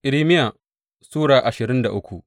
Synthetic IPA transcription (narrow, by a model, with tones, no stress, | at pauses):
ʔɪ˨ɾiː˦mɪ˦ja˨ | suː˦ɽaː˨ʔa˨ʃɪ˨ɾɪ˦nda˨ʔʊ˦kʷu˨ʔ